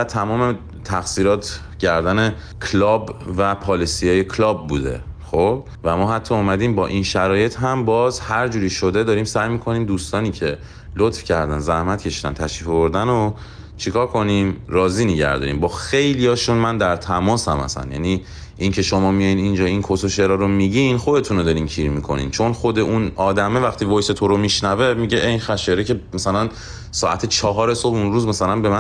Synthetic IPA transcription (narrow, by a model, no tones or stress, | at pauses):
væt̪ʰæmɒːme̞ | t̪ʰæxsiːɾɒːt̪ʰ | ɟæɾd̪æne | kʰlɒːbvæpʰɒːlisijɒːjekʰlɒːb̚ːṵːd̪e̞̰xob̥ | væmɒːɦæt̪ʰːɒːmæd̪iːmbɒːʔinʃæɾɒːje̞t̪ʰɦæmbɒːzhæɾd͡ʒuːɾiːʃo̞d̪e̞d̪ɒːɾiːmsæjmiːkʰo̞niːmd̪uːst̪ɒːniːcʰe̞ | lot̪fcʰæɾd̪ænzæhmæt̪cʰe̞ʃiːd̪æ̰nt̪ʰæʃɾiːfovoɾd̪æno | t͡ʃʰikʰɒːɾkʰo̞niːmɾɒːziːneɟæ̰ɾd̪ɒ̰ːɾḭːmbɒːxe̞jlijɒːʃunmænd̪æɾt̪ʰæmɒːsæmæ̰sæ̰njæ̰ni | ʔiŋcʰe̞ʃomɒːmijɒjinind͡ʒɒːinkʰosoʃeɾɒːɾomiɟinχo̞d̪e̞t̪ʰunod̪ɒːɾiːmcʰiːɾmikʰo̞̰nḭnt͡ʃʰo̞nχod̪e̞ʔunɒːd̪æme̞væχt̪ʰiːvojse̞t̪ʰoɾomiʃnævemiɟeʔenxæʃeɾecʰe̞mæsælæn | sɒːʔæt̪ʰet͡ʃʰɒːɦɒːɾeso̞bunɾuːzmæsælænbe̞mæ